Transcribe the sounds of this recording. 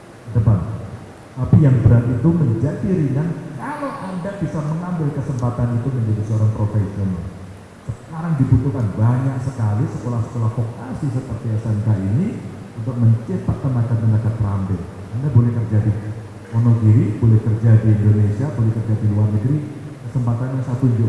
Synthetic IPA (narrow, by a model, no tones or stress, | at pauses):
dəbam | apijaŋbəɾat̪it̪uməɲd͡ʒadiɾinankaloʔandaʔb̥isaməŋambɪlkəsəmpat̪anit̪uməɲd͡ʒadisəoɾaŋpɾofeson | səkaɾaŋdibut̪ukanbaɲak̚səkalisəkolahsə̥kolahfokasisəp̪ərtiasankainiunt̪ʊk̚məɲt͡ʃepat̪ːəmakanːəŋdakat̪ɾambɪt̪̚ | andabolɛhkərd͡ʒadi | onoɡiɾibolɛhkərd͡ʒadiːndonesiabolɛhkərd͡ʒadiluarnəɡɾikəsəmpat̪anjaŋsat̪uɲd͡ʒʊ